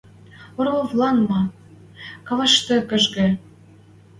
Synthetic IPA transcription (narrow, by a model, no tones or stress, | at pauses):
oɾovlɑnmɑ | kɑvɑʃt̪ɤ̆kə̆ʒɣĕ